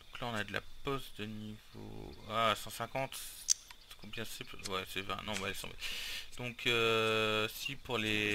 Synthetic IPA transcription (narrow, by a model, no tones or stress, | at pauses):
d̪̥ɔ̃klaɔ̃nad̪əla̰pɔsd̪ənivo̰asɑ̃sɛ̃kɑ̃t̪ | kɔ̃bjɛ̃sɛpwɛsɛvɛ̰̃nɔ̃valesɑ̰̃mɛ̰t̪d̪̥ɔ̃kʰø | sipuʁle